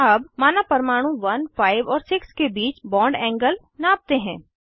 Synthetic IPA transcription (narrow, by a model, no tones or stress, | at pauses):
ɐbmaːnapɐɾmaːɽ̃ũʋɐnfaːɪʋɔːɾsɪkskebiːt͡ʃbɔ̃ːɳɖɛ̃ːŋɡəl | naːp̚t̪eɦɛ̰̃ː